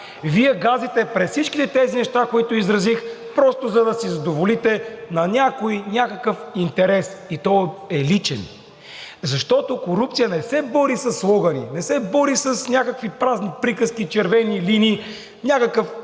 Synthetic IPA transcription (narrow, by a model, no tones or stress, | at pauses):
viɛɡazit̪ɛpɾɛt̪sit͡ʃkit̪ɛt̪ɛzinɛʃt̪akoit̪ʊizɾɐzixpɾɔst̪ʊzɐd̪ɐsizɐd̪ovolit̪ɛnɐnʲakojnʲakəkəfint̪ɛɾɛsit̪ɔɛlit͡ʃɛn | zɐʃt̪ɔt̪okoɾup̚t̪sijənɛsɛbɔɾisɐsːlˠɔɡɐnḭnɛsɛbɔɾisɐsnʲakəkvipɾaznipɾikəskit͡ʃɛɾvɛnilinʲi | nʲakəkəf